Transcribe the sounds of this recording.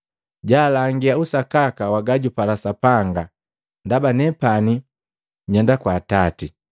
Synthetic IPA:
ɟaːlaŋɡiausakakawaɡaɟupalasapaŋɡa | ndabanɛpani | ɲɔndakwaːtati

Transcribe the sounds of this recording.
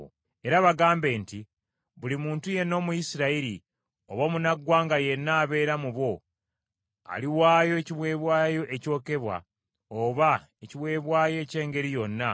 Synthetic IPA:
e̞ɾaβaɡaːmbe̞ːnti | βulimuːntuje̞nːo̞ːmujisiɾaiɾi | o̞βomunaɡːwaːŋɡaje̞nːaːβe̞ːɾamuβo̞ | a̰liwaːjo̞eciβwe̞ːβwaːjo̞ʔeco̞ːke̞βwa̰ | oβa | eciβwe̞ːβwaːje̞ːce̞ːŋɡe̞ɾijo̞nːa

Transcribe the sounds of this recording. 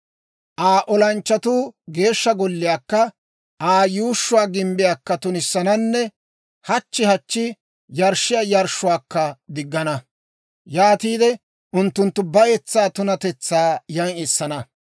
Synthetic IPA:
ʔaːʔɔlɐnt͡ʃːɐt̪uːɡe̞ːʃːɐɡɔlːɪjaːkːɐ | ʔaːjuːʃːʊwaːɡɪmbɪjaːkːɐt̪ʊnɪsːɐnɐnːɛ | hɐt͡ʃːɪhɐt͡ʃːɪ | jɐɾʃːɪjajɐɾʃːʊwaːkːɐd̪ɪɡːɐnɐ | jaːt̪iːd̪ɛ | ʔʊnt̪ːʊnt̪ːʊbɐjɛt͡sːaːt̪ʊnɐt̪ɛt͡sːaːjɐŋɪsːɐnɐ

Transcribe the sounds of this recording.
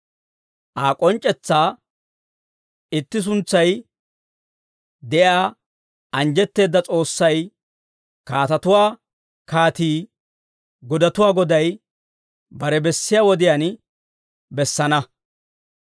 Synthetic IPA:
ʔaːkʼɔnt͡ʃʼːɛt͡sːaː | ɪt̪ːɪs̬ʊnt͡sːɐj | d̪ɛʔjaː | ɐnd͡ʒɛt̪ːe̞ːd̪ːɐt͡sʼo̞ːsːɐj | kaːt̪ɐt̪ʊwaː | kaːt̪iː | ɡɔd̪ɐt̪ʊwaːɡɔd̪ɐj | bɐɾɛbɛsːɪjaːwɔd̪ɪjaːn | bɛsːɐnɐ

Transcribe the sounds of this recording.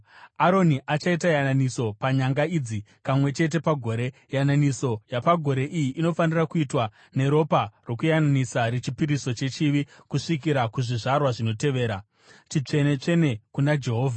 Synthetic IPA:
aɾo̞niʔat͡ʃaitajananiso̞paɲaŋɡaid͡zi | pamwe̞t͡ʃe̞t̬e̞paɡʱo̞ːɾe̞ | jananiso̞japaɡʱo̞ɾe̞ʔijiʔino̞fanirakuitwa | ne̞ɾo̞paro̞kujananisaɾet͡ʃipiɾiso̞t͡ʃe̞t͡ʃiʋikuʂikiɾakuʐiʐarwaʐino̞te̞ʋe̞ːɾa | tit͡ʂe̞ne̞t͡ʂe̞ne̞kunad͡ʒe̞ɦo̞ːvʱa

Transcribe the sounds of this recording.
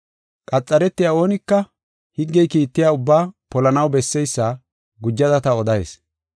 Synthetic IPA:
kʼɐt͡sʼːɐɾɛt̪ːɪjaːo̞ːnɪkːɐ | hɪɡːɛjkiːt̪ːɪjaːʊbːaːpɔlɐnɐwbɛsːɛjsːɐ | ɡʊd͡ʒːɐd̪ɐt̪ɐɔd̪ɐjḛs

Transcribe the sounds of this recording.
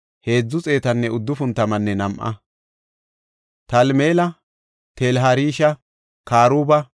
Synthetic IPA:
he̞ːd͡zːʊt͡sʼe̞ːt̪ɐnːɛʊd̪ːʊfʊnt̪ːɐmɐnːɛnɐmʔɐ̰ | t̪ɐlmeːlɐ | t̪elɦɐɾiːʃɐ | kaːɾuːbɐ

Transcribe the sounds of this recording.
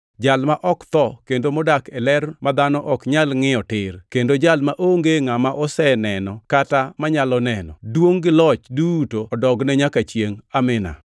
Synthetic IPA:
d͡ʒalmaʔɔkt̪ɔkendomɔdakɛlɛrmad̪anɔʔɔkɲalŋɪɔtɪrkendod͡ʒalmaʔoŋɡeŋamaʔɔsɛnɛnɔkatamaɲalɔnɛnɔ̰dwoŋɡɪlɔt͡ʃdutoɔdɔɡnɛɲakat͡ʃjeŋamɪna̰

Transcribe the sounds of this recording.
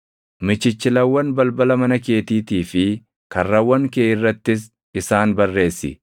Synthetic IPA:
mɪt͡ʃːɪt͡ʃːɪlɐwːɐnbɐlbɐlɐmɐnɐke̞ːt̪iːt̪iːfɪ | kɐrːɐwːɐŋkeːʔɪrːɐt̪ːɪs̬ | ɪsaːnbɐrːe̞ːsːɪ̰

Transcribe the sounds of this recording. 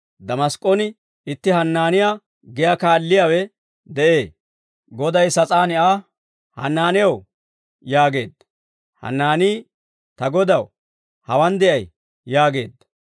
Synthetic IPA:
d̪ɐmɐskʼːonɪ | ɪt̪ːɪɦɐnːaːnɪjaː | ɡɛjakaːlːɪjaːwɛ | d̪ɛʔeː | ɡɔd̪ɐjsɐt͡sʼaːnɪʔaː | hɐ̰nːaːnɪjɐw | jaːɡe̞̰ːd̪ːɐ | hɐ̰nːaːniː | t̪ɐɡɔd̪ɐw | hɐwɐnd̪ɛʔɐj | jaːɡe̞ːd̪ːɐ

